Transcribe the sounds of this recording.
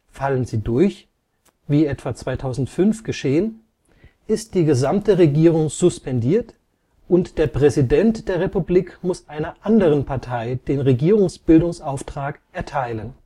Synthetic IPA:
falənziːdʊɐç | viːɛtv̥at͡sv̥aɪtʰaʊzn̩tfʏnfɡ̥əʃeːən | ʔɪstd̥iːɡəzamtəʁeɡiːʁʊŋz̥ʊspɛndiːɐt | ʔʊntd̥eːɐpʁ̥ɛzidɛntd̥eːɐʁepubliːkmʊsʔaɪnɐʔandəʁ̞ənpʰaɐtʰaɪd̥eːnʁeɡiːʁ̞ʊŋsb̥ɪldʊŋsʔaʊftʁ̥aːkʔɛɐtʰaɪlən

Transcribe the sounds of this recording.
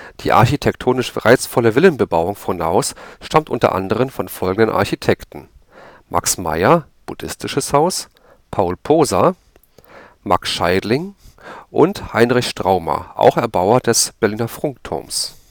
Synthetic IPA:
d̥iːʔa̰ɐçitʰɛktʰoːnɪʃʁaɪt͡sfɔləvɪlənbəbaʊʊŋfɔna̰ʊsʃtamtʔʊntɐ̰ʔa̰ndəʁ̞ənfɔnfɔlɡŋ̩dənʔa̰ɐçitʰɛktn̩ | mʔa̰ksma̰ɪɐb̥ud̥ɪstʰɪʃəshaʊs | pʰaʊlpʰoːza | maksʃaɪdlɪŋʔʊ̰nthaɪnʁɪçʃtʁ̥aʊmɐ̰ʔa̰ʊxɛɐbaʊɐdɛsb̥ɛɐliːnɐfʁ̥ʊŋk̚tʰʊ̰ɐms

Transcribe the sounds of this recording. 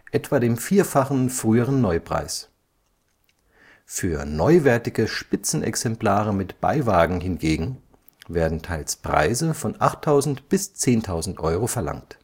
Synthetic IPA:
ʔɛtv̥aːdeːmfiːɐfaχn̩fʁ̥yːəʁənːɔʏpʁ̥a̰ɪs | fyːɐnɔʏvɛɐtɪɡəʃpɪt͡sn̩ʔɛ̰ksɛmplaːʁəmɪtb̥a̰ɪvaːɡŋ̩ɦɪnɡeːɡŋ̩ | veːɐdn̩tʰaɪlspʁ̥a̰ɪzəfɔnʔaχtʰːaʊzn̩tb̥ɪst͡seːntʰaʊzn̩tʔɔʏʁofɛɐla̰ŋt

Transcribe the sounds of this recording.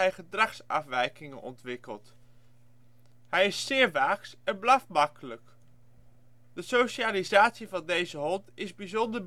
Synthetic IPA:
ɛjχədrɑχsɑ̰fʋɛjkɪŋənʔɔ̰ntʋɪkə̰lˠt | ɦɛjɪsːɪːɹʋaːksɛnblafmɑkələk | dəsowʃaːlizaːtsivɑndejzəɦɔntɪzbizɔndəɹ

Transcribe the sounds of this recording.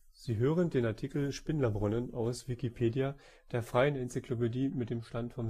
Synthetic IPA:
z̥iːɦøːʁ̞əndeːnaɐtʰikl̩ʃpɪnlɐbʁʊnənaʊsv̥ikipʰeːdja | d̥eːɐfʁ̥aɪənɛnt͡sikʰl̥opediːmɪtd̥eːmʃtantfɔm

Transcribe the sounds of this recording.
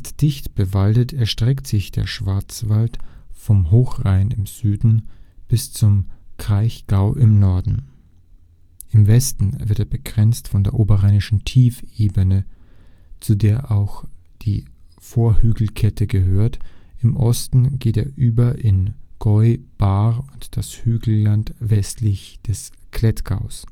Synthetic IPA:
td̥ɪçtb̥əvaltətʰɛɐʃtʁ̥ɛktz̥ɪçd̥eːɐʃv̥aɐt͡sv̥altfɔmɦoːxʁaɪnɪmz̥yːdn̩b̥ɪst͡sʊmkʁ̥aɪçɡ̥aʊʔɪmnɔɐdn̩ | ʔɪmvɛstn̩vɪɐteːɐbəɡʁɛnt͡stfɔndeːɐʔoːbɐʁaɪnɪʃn̩tʰiːfeːbənə | t͡sudeːɐʔaʊx | d̥iː | foːɐhyːɡl̩kʰɛtʰəɡəɦøːɐtʔɪmʔɔstn̩ɡ̥eːteːɐʔyːbɐʔɪnɡ̥ɔʏb̥aːʊntd̥ashyːɡl̩lantvɛstʰlɪçd̥ɛskʰl̥ɛtɡ̥aʊs

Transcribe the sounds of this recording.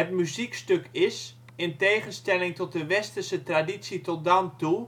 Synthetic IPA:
ətmyzikstøkɪs | ɪnteːχənstɛlɪŋtɔt̚dəʋɛstəsətradisitɔt̚dantu

